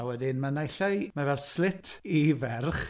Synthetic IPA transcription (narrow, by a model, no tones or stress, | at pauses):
wɛdɪnmanajɬɔɨmavɛlˠslɪtʰivɛrχ